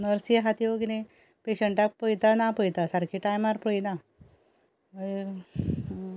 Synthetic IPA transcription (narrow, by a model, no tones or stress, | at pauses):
nəɾsiaɦat̪jokinẽ | peɕəɳʈak̚pəjt̪anapəjt̪asaɾkʰiʈajmaɾpəjina | əe